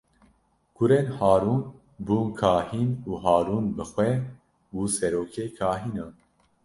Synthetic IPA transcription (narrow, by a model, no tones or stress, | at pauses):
ɡ̥ʊɾenhaːɾuːn | buːnkʰaːhiːnuːɦaːɾuːnbɨxwɛ | buːsɛɾoːkʰeːkʰaːɦiːnaː